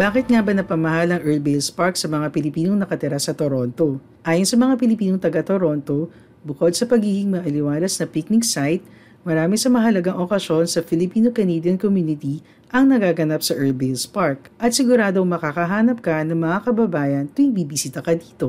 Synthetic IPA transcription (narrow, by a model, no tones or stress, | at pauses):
baːkɪt̪̚ŋabɐnɐpɐmɐɦalɐŋʔɛlbejlspaɹksɐmɐŋapɪlɪpiːnoŋnɐkɐt̪ɪɾasɐt̪oɾo̞nt̪o̞ | ʔaːjonsɐmɐŋapɪlɪpiːnoŋt̪ɐɡat̪oɾo̞nt̪o̞ | bʊko̞d̪̚sɐpɐɡiːɡɪŋmɐʔɐlɪwaːlɐsnɐpik̚nɪksajt̪̚ | mɐɾaːmɪsɐmɐɦɐlɐɡaŋʔokɐsjo̞nsɐfɪlɪpiːnokɐned̪jɐnkomjuːnɪt̪i | ʔɐŋnɐɡaːɡɐnap̚sɐʔɛɹlbelspaɹk̚ʔɐt̪sɪɡʊɾaːd̪o̞ŋmɐkakɐɦaːnɐp̚kɐnɐŋmɐŋakɐbɐbaːjɐnt̪ʊɪŋbiːbɪsiːt̪ɐkɐd̪iːt̪o̞